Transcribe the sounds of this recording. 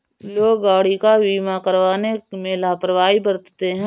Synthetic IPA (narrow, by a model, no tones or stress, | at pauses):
loːɡɡaːɽikaʋiːmakəɾʋaːnemẽlaːpɾəʋaːibəɾt̪t̪eɦɛ̃ː